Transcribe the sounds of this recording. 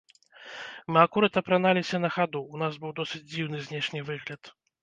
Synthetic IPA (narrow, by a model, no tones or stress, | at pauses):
mɨakuɾat̪ɐpɾanalʲisʲɐnɐxad̪uːnazbɨwd̪ɔsɨd͡zʲd͡zʲiwnɨzʲnʲɛʂnʲivɨɣlʲɐt̪